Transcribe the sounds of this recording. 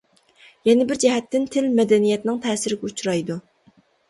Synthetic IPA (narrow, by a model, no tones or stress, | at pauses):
jɛnɪbɪɾd͡ʒɛɦɛt̪ːɪnt̪ʰɪlmɛd̪ɛnijɛt̪nɪŋt̪ʰɛːsɪɾɪɡʲɛut͡ʃɾɑjd̪u